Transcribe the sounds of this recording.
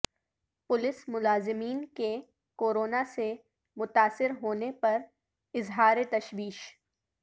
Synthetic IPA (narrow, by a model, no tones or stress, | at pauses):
pʊlɪsmʊlaːzɪmiːnke | koːɾoːnase | mʊt̪aːsɪɾɦoːnepɐɾ | ɪzɦaːɾet̪ɐʃwiːʃ